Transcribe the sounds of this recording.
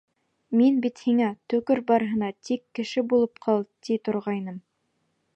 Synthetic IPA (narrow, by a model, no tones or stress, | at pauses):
minbit̪hiŋæt̪ɵ̆kɵɾbɑɾɤ̆ɦɤ̆nɑt̪ikːɘ̆ʃɘbulˠɤp̚qʰɑlˠt̪it̪ŏɾʁɑjnɤm